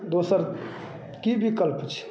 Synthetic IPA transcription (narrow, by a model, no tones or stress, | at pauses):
d̪osəɾ | kibikəlpt͡ʃʰɛ̥